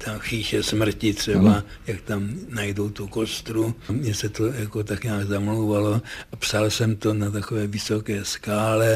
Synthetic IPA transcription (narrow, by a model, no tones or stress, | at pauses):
t̪ʰaxiːʃɛsmr̩cɪt̪r̝̥ɛbajakt̪amnajdo̞wt̪uko̞st̪ɾumɲɛsɛt̪ojako̞t̪akɲaːɡzamlowvalo̞ʔapsalsɛmt̪o̞nat̪̬akovɛːvɪsokɛːskaːlɛ